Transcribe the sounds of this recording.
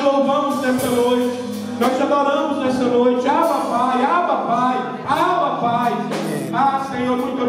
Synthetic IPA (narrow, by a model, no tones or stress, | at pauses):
lowvɐ̃mʊznɛsɐnojt͡ʃɪ | nɔzɐmɔɾɐ̃mʊznɛsɐnojt͡ʃɪamɐpajamɐpaj | amɐpaj | askɐ̃j̃ɛmũj̃t̪ɐ